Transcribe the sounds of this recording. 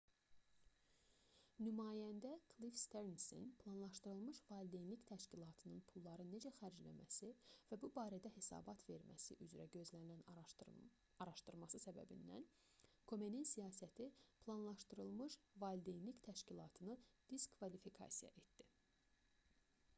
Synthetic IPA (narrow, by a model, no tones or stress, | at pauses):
nymɑːjænd̪ækʰlifst̪eɾnsḭnpʰlˠɑnlˠɑʃt̪ɯɾɯlˠmɯʃvɑlʲd̪ejnlict̪ʰæʃcilˠɑt̪ʰɯnɯnpʰulˠːɑɾɯne̞d͡ʒæxæɾd͡ʒlæ̰mæ̰sivæbubɑːɾæd̪æhe̞sɑ̰ːbɑt̪ʰve̞ɾmæ̰sḭʔyzɾæɟø̞zlænilæn | ɑɾɑʃt̪ɯɾmɑsɯsæbæ̰bḭnd̪æ̰n | kʰo̞me̞ninsijɑːsæt̪ʰipʰlˠɑnlˠɑʃt̪ɯɾɯlˠmɯʃvɑld̪enlict̪ʰæʃcilˠɑːt̪ʰɯnɯd̪̥iskʰvɑlifikʰɑ̰sijɑ̰ʔe̞t̪d̪̥i